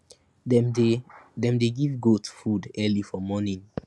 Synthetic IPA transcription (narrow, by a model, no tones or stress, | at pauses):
dɛ̃mdeɡivɡotfudɛlifɔmɔnĩn